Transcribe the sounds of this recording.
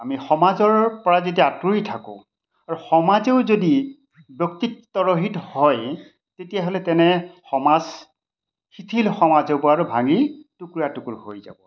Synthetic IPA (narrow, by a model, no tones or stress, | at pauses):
amixɔmazɔɹpɔɹazet̬ijaatuitʰakʊ̰̃ | aɹuxɔmazeʊzodi | bjɔk̚tittɔɹoɦithɔj | tetijaɦolɛtɛnɛxɔmaz | xitʰilxɔmazeʊpɔɹaɹubʱaŋitukɹiatukuɹho̰jza̰bɔ